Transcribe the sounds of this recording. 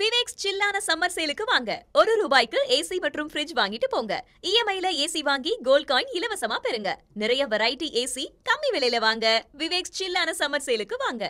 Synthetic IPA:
ʋɪʋeːkst͡ʃɪlːaːnɐsɐmːɐɾsɐjɪlɯkːɯʋaːŋɡɐ̰ɔɾɯɾuːbaːjɪkːɯʔeːsimɐʈrɯmfɾɪd͡ʒʋaːŋɡɪʈːɯpoːŋɡɐ̰ | ɪjɛmɐjlɐeːsiʋaːŋɡiɡoːl̚kaːjɪɪlɐʋɐsɐmaːpɛɾɯŋɡɐ̰ | nɪɾɐjɐʋɛɾɐjɪʈːiʔeːsikɐmːiʋɪɭɐjlɐʋaːŋɡɐʋɪʋeːkst͡ʃɪlːaːnɐsɐmːɐɾsɐjɪlɯkːɯʋaːŋɡɐ

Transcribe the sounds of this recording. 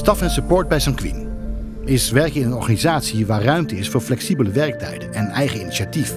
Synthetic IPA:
stɑfɛnsəpoːɹd̚bɛjsɑŋkʋḭn | ɪsʋɛɹkɪnənɔɹχaːnizaːtsiʋaːrrœɥmtəɪsfʊːɹflɛksibələʋɛɹk̚tɛ̰jdənɛnɛjχəiniʃatif

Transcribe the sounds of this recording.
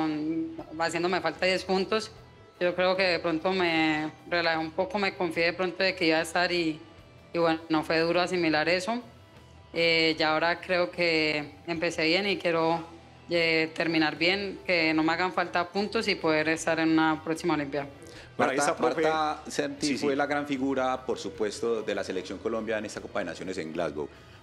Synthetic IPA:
onasje̞nd̪ome̞falt̪aðje̞spunt̪o̞s | d͡ʒo̞kɾe̞oke̞ðepɾo̞nt̪o̞merelahoumpo̞ko̞me̞ko̞ɱfjeðepɾo̞nt̪oðe̞ke̞iβaest̪aɾiː | βweno̞fwe̞ðuɾoas̬imilaɾe̞so̞ | ed͡ʒao̞ɾakɾe̞okʰe̞empe̞se̞βje̞nikje̞ɾo | et̪e̞ɾmĩnaɾbje̞nke̞no̞meaɣaɱfalt̪apunt̪o̞sipoðe̞ɾe̞st̪aɾe̞nunapɾoksimaolimpja | paɾeapaɾt̪asent̪ielaɣɾaɱfiɣuɾapoɾsupwe̞st̪oðe̞laseleksjo̞ŋkolombjaenest̪ako̞paðena̰sjo̞nesḛŋɡla̰zɡo̰w

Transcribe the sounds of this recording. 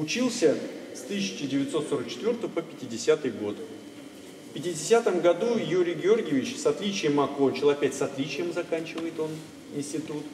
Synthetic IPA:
ʊt͡ɕilˠsʲəst̪ɨs̬ʲɪ̥t͡ɕɪdʲɪvʲɪt̪so̞t̪so̞ɾək̚t͡ɕɪt̪vʲo̞rt̪əvpəpʲɪ̥tʲɪdʲɪsʲat̪ɨjɡo̞d̪ɨ | fpʲɪtʲɪdʲɪsʲat̪əmɡɐd̪ujuɾʲɪjɡʲɪo̞rɡʲɪjɪvʲɪt͡ɕsɐt̪lʲit͡ɕɪjəmɐkonʲt͡ɕɪlˠɐpʲætʲsɐt̪lʲit͡ɕɪjəmzɐkanʲt͡ɕɪvəjɪt̪o̞n | ɪnʲsʲtʲɪt̪ut̪

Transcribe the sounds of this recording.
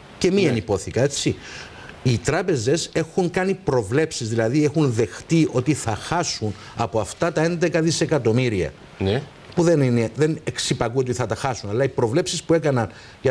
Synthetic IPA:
ce̞mienipo̞θikɐe̞t͡si | it̪ɾɐpe̞ze̞se̞xuŋkɐnipɾo̞vle̞psizðilɐðiexunðe̞xt̪io̞t̪iθɐxɐsun | ɐpoɐft̪ɐt̪ɐe̞nd̪e̞kɐðise̞kɐt̪o̞miɾiɐ̰ | puðenineðe̞neksipɐɣuo̞t̪iθɐt̪ɐxɐsunɐlːɐipɾo̞vle̞psispue̞kɐnɐn | ʝɐ

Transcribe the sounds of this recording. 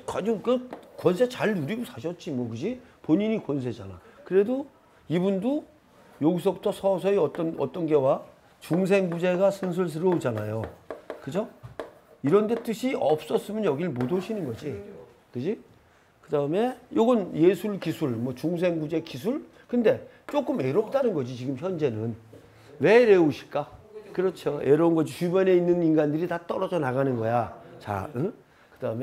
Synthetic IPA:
kad͡ʑokɯkwʌns̬ʰet͡ɕaɭnuɾiɡusʰaɕ̬ʰʌt̚t͡ɕ͈imwʌkɯd͡ʑipoɲiɲikwʌns̬ʰe̞d͡ʑa̰na̰kɯɾe̞do | ibundo | joɡis̬ʰʌbutʰʌsʰʌs̬ʰʌeʌt͈ʌnʌ̰t͈ʌnɡe̞wa | t͡ɕuŋs̬ʰe̞ŋbud͡ʑe̞ɡasʰɯns̬ʰɯɭs̬ʰɯɾʌud͡ʑanajokɯd͡ʑo | iɾʌndet͈ɯɕʰiʌp̚s͈ʌs͈ɯmʌnjʌɡiɯɭmodoɕʰinɯnɡʌd͡ʑi | kɯd͡ʑi | kɯdaɯme̞joɡɯnje̞sʰuɭkisʰuɭmwʌt͡ɕuŋs̬ʰe̞ŋɡud͡ʑe̞kis̬ʰuɭ | kɯnde̞ | t͡ɕ͈ok͈ɯmeɾop̚t͈anɯnɡʌd͡ʑit͡ɕiɡɯmçjʌnd͡ʑe̞nɯn | we̞ɾe̞oɕʰi̥ɭk͈akɯɾʌt͡ɕʰoeɾounɡʌd͡ʑit͡ɕubjʌne̞inːɯninɡandɯɾitat͈ʌɾʌd͡ʑʌnaɡanɯnɡʌjat͡ɕa̰ɯ | kɯd̥aɯme

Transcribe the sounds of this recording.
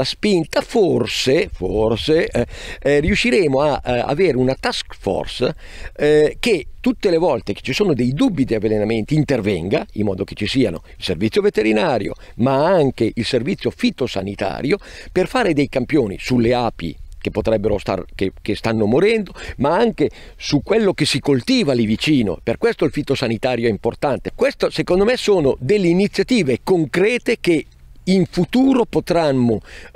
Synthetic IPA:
aspint̪aforseforse | riuʃːiɾeːmoaa̰veːɾeunat̪askfɔ̰rs | ket̪ːut̪ːelevɔlt̪ek̟e̥t͡ʃːisoːnod̪ɛjd̪ubːid̪eavːelenament̪iːnt̪ervɛŋɡaḭmːɔːd̪ok̟e̥t͡ʃːisiːano̰ | ilservit̪ːjovet̪eɾinaːɾjo̰ | maaŋkeʔilservit̪sːjofit̪osa̰nit̪a̰ːɾjoperfaːɾed̪ejkampjoːnḭsulːeaːpḭkepːot̪ɾɛbːeɾost̪a̰rkekest̪anːomoɾɛnd̪omaaŋke | sukːwelːok̟esːikolt̪iːvalivit͡ʃiːno̰perkwest̪oilfit̪osanit̪aːɾjoɛimport̪ant̪ekwest̪osekond̪omesoːnod̪elːeinit̪sːjat̪iːvekoŋkɾɛːt̪ek̟e | iɱfut̪uːɾopot̪ɾamːo

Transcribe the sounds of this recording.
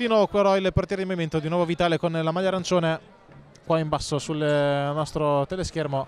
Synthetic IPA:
d̪inɔvokweɾɔilport̪jɛɾed̪imoviment̪od̪inwɔvovit̪aːlekonlamaʎːaɾant͡ʃoːne | kwaimbasːosulnɔst̪ɾot̪eleskermo

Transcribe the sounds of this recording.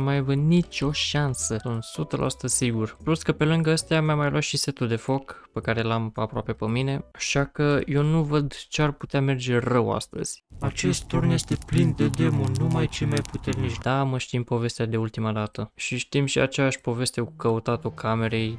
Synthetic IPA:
majavənit͡ʃʲo̞ʃansəsunt̪sut̪əlʔa̰su̥t̪əzʲsiɡurpluskəpe̞lɨŋɡəəst̪eamjamːajlwʔat̪ʃise̞t̪ud̪e̞fo̞kpekaɾelamapɾoa̰pe̞pəmine̞aʃakəje̞wnuvəd̪t͡ʃearput̪eame̞rd͡ʒe̞rəwa̰st̪ə̰z̥ʲat͡ʃe̞st̪t̪ornje̞st̪e̞plind̪e̞d̪e̞monumajt͡ʃejmajput̪e̞rnit͡ʃd̪̥aməʃt̪impo̞ve̞st̪ad̪e̞ult̪imad̪at̪əʃiʃt̪imʃia̰t͡ʃejaʃʲpo̞ve̞st̪e̞kukəut̪at̪okʰame̞ɾe̞j

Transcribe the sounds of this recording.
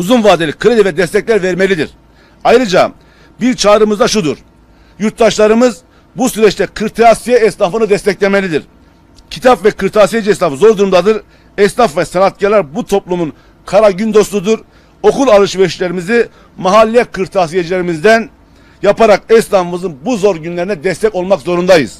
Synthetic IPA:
uzunvaːd̪elʲikʰɯɾed̪ivɛd̪ɛst̪ʰɛclʲæɾvɛɾmelʲid̪iɾ̥ | ajɾɯd͡ʒa | biɾt͡ʃʰaːɾɯmɯzd̪aʃud̪uɾ | juɾt̪̚d̪aʃlˠaɾɯmɯz | busyɾɛt͡ʃt̪ɛkʰɯɾt̪ʰasijɛɛst̪afɯnɯd̪ɛst̪ɛclʲeme̞lʲid̪iɾ | cʰit̪ʰapvɛkʰɯɾt̪ʰaːsijed͡ʒiɛslafzo̞ɾd̪uɾumd̪ad̪ɯɾ | ɛst̪afvɛsanat̪̚calʲˠæɾbut̪ʰo̞plˠumun | kʰaɾaɟynd̪o̞st̪ud̪uɾ | o̞kulˠalˠɯʃvɛʃlʲeɾimizi | maɦalʲːijɛkʰɯɾt̪ʰaːs̬ijed͡ʒilʲeɾimizd̪æn | japaɾakɛslafɯmɯzɯnbuzo̞ɾɟynlʲeɾinɛd̪ɛst̪ʰɛco̞lˠmakzo̞ɾund̪ajɯ̰z̥

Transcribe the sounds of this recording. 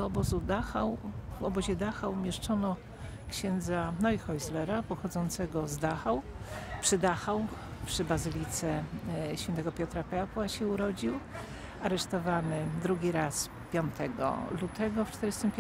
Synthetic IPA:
ɔɔbɔzud̪axawvɔbɔʑɛd̪axawmʲjɛʂt͡ʂɔnɔ | kɕɛnd̪zanɔixɔjzlɛɾapɔxɔd̪zɔnt̪sɛɡɔzd̪axawpʂɘd̪axaw | pʂɘbazɘlʲit̪sɛɕfʲjɛnt̪ɛɡɔpʲjɔt̪ɾapɛapwaɕɛuɾɔd͡ʑiw | aɾɛʂt̪ɔvanɘd̪ɾuɡʲiɾas | pʲjɔnt̪ɛɡɔ̰lut̪ɛɡɔft͡ʂt̪ɛɾɘst̪ɘmpʲ

